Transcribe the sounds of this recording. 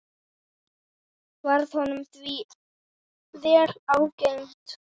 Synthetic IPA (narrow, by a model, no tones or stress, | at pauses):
vaɾð̥hɔnʏmθviː | ðɛɾaːwcejnt̪